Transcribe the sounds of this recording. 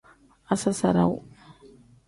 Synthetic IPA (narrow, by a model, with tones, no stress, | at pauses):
a˦sa˦sa̰˨ɾa̰˦˨w